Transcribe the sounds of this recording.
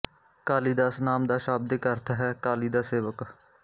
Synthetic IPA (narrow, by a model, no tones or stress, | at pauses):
kaːliːd̪aːsnaːmd̪aːʃaːb̚d̪ekəɾt̪ʰaɦɛːkaːliːd̪aːseːʋək